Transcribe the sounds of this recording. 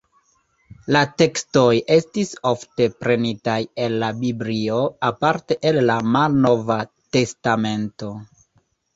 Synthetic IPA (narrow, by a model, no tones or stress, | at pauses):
late̞ksto̞jʔe̞stisofte̞pɾe̞nitaje̞lːabiblio̞apaɾte̞ʔelːamalno̞vate̞stame̞nto̞